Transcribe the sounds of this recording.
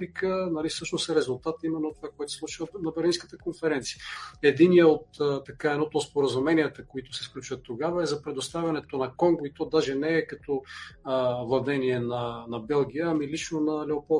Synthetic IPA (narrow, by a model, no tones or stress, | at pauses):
ɾikənɐlifsɤʃnosɛɾɛzulˠt̪at̪imɛnːot̪ovakoɛt̪o̥slˠut͡ʃivənɐbɛɾlinskə̥t̪əkonfɛɾɛnt̪sijəɛd̪iniəot̪t̪ːɐkaɛnɔt̪ospoɾəzumɛniət̪əkoit̪ʊsɛfklʲut͡ʃvət̪ːoɡavəɛzɐpɾɛd̪ost̪avʲɐnɛt̪onɐkɔŋɡoit̪ɔd̪aʒɛnɛːkɐt̪ɔ | vɐvnɛniɛnɐnɐbɛlˠɡ̟ʲijəːmilit͡ʃnonɐlɛopɔlˠ